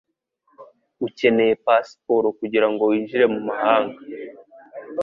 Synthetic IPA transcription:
uce̞ne̞je̞pasi̥po̞ɾokuɟiɾaŋɡo̞wiːnʒiɾe̞mumahaːŋɡa

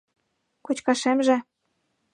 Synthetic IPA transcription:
kot͡ɕkɑʃemʒĕ

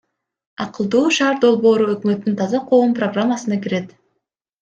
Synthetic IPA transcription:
ɑqɯlˠd̪uːʃɑːɾd̪o̞lˠbo̞ːɾuø̞kmø̞t̪ːynt̪ʰɑzɑqʰo̞ːmproɡramːasɯnɑkiɾe̞t̪

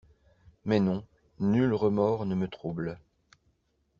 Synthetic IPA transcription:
mɛnɔ̃ | nylʁəmɔʁnəmət̪χubl

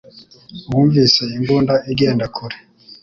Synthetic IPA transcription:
huːɱviːsaiŋɡuːndaiɡeːndakʰuɾe

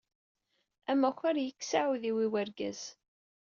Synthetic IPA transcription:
æmːæçaɾjəkːsaʕuðiwiwæɾɡæz̥

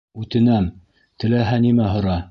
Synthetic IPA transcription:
ʉt̪ɘ̆næm | t̪ɘ̆læɦænimæɦŏɾɑ

